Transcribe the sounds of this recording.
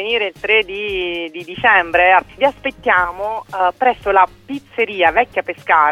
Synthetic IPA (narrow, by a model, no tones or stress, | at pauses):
eniːɾeilt̪ɾed̪id̪id̪it͡ʃɛmbɾeviaspet̪ːjaːmopɾɛsːolapit̪sːeɾiːavɛkːapeskaː